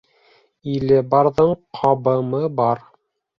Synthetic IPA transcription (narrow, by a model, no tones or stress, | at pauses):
ilɘbɑɾðɤɴqʰɑbɤ̆mɤbɑɾ